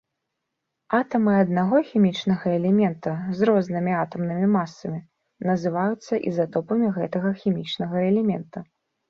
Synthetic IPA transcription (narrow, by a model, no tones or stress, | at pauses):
at̪ɐmɨɐd̪naɣɔxʲimʲit͡ʂnɐɣɐɛlʲɛmʲɛnt̪ɐzrɔznɨmʲiat̪ɐmnɨmʲimasːɐmʲi | nɐzɨvajut̪sːɐʔḭzat̪ɔpɐmʲiɣɛt̪ɐɣɐxʲimʲit͡ʂnɐɣɐɛlʲɛmʲɛnt̪u